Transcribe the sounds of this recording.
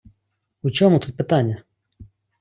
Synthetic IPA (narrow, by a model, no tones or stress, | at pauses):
ut͡ʃʲɔmʊt̪ut̪̚pɪt̪anʲːɐ